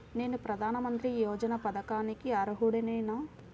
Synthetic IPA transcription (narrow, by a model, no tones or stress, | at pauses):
ne̞ːnupɾɐd̪ʱaːnɐmɐnt̪ɾijoːd͡ʒɐnɐpɐd̪ɐkaːnikiɐɾɐɦuɽinɐjnaː